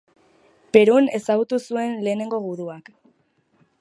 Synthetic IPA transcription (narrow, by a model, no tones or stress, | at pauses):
pe̞ɾune̞saɣut̪usue̞nle̞ːne̞ŋɡo̞ɣuðuak